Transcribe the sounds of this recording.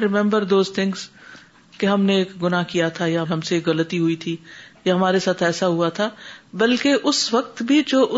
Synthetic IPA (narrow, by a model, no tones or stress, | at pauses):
ɾɪmɛ̃mbəɾd̪oːzt̪ʰɪ̃ŋɡz | keɦɐmneːkɡʊnakijat̪ʰajaɦɐ̃mseːkɣɐlət̪iɦʊit̪ʰijaɦɐmaːɾesaːt̪ʰɛːsaɦuat̪ʰaːbɐlkeʔʊsʋɐk̚t̪bʱid͡ʒoːʔʊ